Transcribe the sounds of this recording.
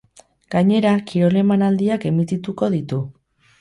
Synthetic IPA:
ɡ̥aɲe̞ɾakiɾo̞le̞manald̪iake̞mit̪it̪uko̞ðit̪u

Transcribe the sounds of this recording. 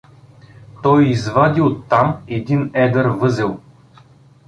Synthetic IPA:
t̪ɔjizvad̪iot̪ːamɛd̪inɛd̪əɾvɤzɛlˠ

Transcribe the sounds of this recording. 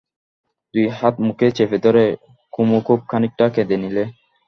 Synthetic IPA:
t̪uihat̪muket͡ɕefed̪ɔɾe | kumokop̚kʰanik̚ʈaked̪enile

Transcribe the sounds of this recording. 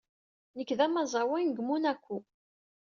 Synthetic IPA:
nəkːðæmæzˤɑwinɡmunækʷːu

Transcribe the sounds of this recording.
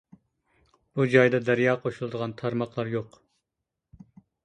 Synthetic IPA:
b̥ud͡ʒɑjd̪ɑd̪æɾjɑːqʰoʃulˠɨd̪əʁɑnt̪ʰɑɾmɑqlˠɑɾjoq

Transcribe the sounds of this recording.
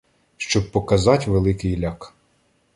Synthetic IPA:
ʃt͡ʃɔb̚pɔkɐzɑtʲʋelˠɪkɪjlʲɑk

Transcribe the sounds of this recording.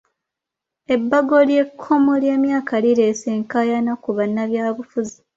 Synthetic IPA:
e̞bːaɡo̞lje̞kʰːo̞molje̞ːmjaːkʰaliɾe̞seːŋkajanakuβanːaβjaːβufuzi̥

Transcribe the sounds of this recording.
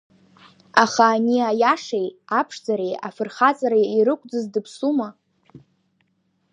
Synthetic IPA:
aχaːniajaʂejapʰʂd͡zaɾeja̰fɨrχat͡sʼaɾaiɾɨkʷʼd͡zɨzdɨpʰsuma

